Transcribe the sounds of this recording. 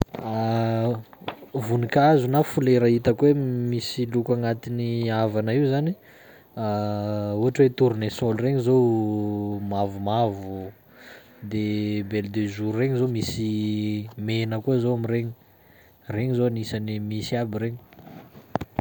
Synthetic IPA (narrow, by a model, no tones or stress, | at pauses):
a | vunikazunafuleɾəit̪əkuwemisilukaŋat̪iniavanaiwzani | auaʈ͡ʂwet̪uɾunesolreɲizow | mavumavuu | d̪ebeld̪ezuɾreɲizomisi | menəkuzowamiɾeɲi | reɲizoanisanimisiabiɾeɲi̥